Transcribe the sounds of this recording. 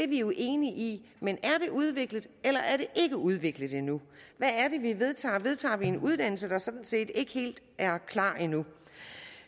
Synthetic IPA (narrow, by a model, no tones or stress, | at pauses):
deʋioʔe̝ːniʔi | menæɐɾ̥e̝ʔuð̞ˠʋe̝ɡ̥ləð̩ˠelɐʔæɐɾ̥e̝ʔe̝ɡ̥əuð̞ˠʋe̝ɡ̥ləð̩ˠinuʋæːɐɾ̥e̝ʋiʋe̝ð̞ˠt͡sʰɑ̰̈ːʋe̝ð̞ˠt͡sʰɑ̰̈ːʋie̝nuð̞ˠd̥æn̰l̩səd̥ɑ̈sɒ̽d̥n̩se̝̰ːd̥e̝ɡ̥əhe̝̰ːld̥ | ʔæɐkʰlɑ̰̈ːinu